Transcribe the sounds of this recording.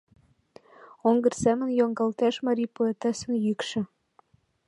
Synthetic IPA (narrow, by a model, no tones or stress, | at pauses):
oŋɡɤ̆rsæmə̆njɑŋɡɑlt̪æʃmɑɾʲipuet̪æsɘ̆njykʃɘ̆